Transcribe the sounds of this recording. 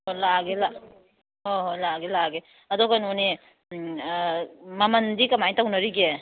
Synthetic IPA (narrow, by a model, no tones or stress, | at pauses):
olaɡela | ɦɔɦɔlaɡelaɡe | ɐdɔkanɔni | mamɐndikɐmajtawnɐɾiɡe